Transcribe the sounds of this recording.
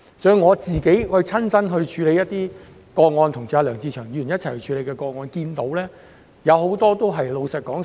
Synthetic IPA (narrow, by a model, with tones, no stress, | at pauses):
sœː˨˧ŋŋɔː˨˧t͡siː˨ke˨˥jhɔ˨˧t͡sʰɐ˥nsɐ˥nɦɵ˧ɥt͡ʃʰyː˨˧le˨˧jɐ˥t̚t̪iː˥ | kɔː˧k̚ŋɔː˧nt̪ʰʊ˨˩ŋt͡sʰi˨a˧lœː˨˩ŋt͡siː˧t͡ʃʰœː˨˩ŋji˨˧˥y˨˩njɐ˥tt͡sʰɐ˨˩jhɵ˧t͡ʃʰyː˨˧le˨˧jkɛː˧kɔː˧k̚ŋɔː˧nkiː˧nt̪o˨˥wlɛː˥ | jɐ˨˧who˨˥wt̪ɔː˥t̪o˥wɦɐ˨jlo˨˧wsɐ˨t̚kɔː˨˥ŋ